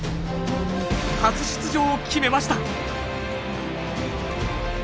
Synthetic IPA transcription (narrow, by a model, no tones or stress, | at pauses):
kat͡sɨɕi̥t͡sɨʑo̞ːkʲʰime̞maɕi̥t̪a